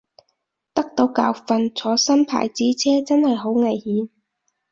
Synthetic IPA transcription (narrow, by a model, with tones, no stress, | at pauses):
t̪ɐ˥k̚t̪o˨˧˥wka̰ː˨wfɐ˨nt͡sʰɔː˨˥sɐ˥npʰa̰ː˨˩jt͡siː˨˥t͡sʰɛː˥t͡sɐ˥nhɐ˨jɦo˨˥wŋɐ˨˩jhiː˨˥n